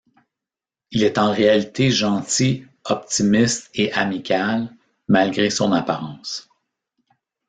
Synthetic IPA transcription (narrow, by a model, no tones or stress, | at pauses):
ilɛt̪ɑ̃ʁealit̪ʰeʒɑ̃t̪i | ɔp̚t̪imɪst̪eʔamikʲal | malɡʲʁesɔ̃napaʁɑ̃s